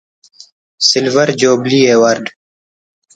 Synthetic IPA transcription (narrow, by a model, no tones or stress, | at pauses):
sɪlvɐɾd͡ʑoːbliːeːwɐɾɖ